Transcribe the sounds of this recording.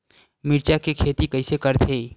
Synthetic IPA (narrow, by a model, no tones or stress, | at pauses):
mɪɾt͡ʃakekʰeːt̪ikɐɪsekəɾt̪ʰeː